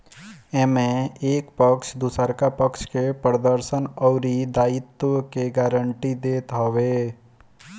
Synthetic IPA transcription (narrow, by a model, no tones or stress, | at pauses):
eːmẽeːkpəkʃd̪usəɾkapəkʃkepəɾd̪əɾsənɔːɾid̪aːɪt̪əkeɡaːɾəɳʈid̪eːt̪ɦoʋeː